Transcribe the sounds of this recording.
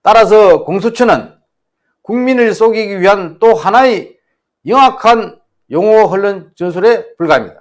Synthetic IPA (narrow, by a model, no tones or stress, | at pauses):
t͈aɾas̬ʰʌkoŋs̬ʰut͡ɕʰɯnɯn | kuŋminɯɭs͈oɡiɡiɥiɦant͈ohanae | jɯŋakʰan | joŋʌɦɯɭːɯnt͡ɕʌnsʰuɾe̞puɭɡaimɲida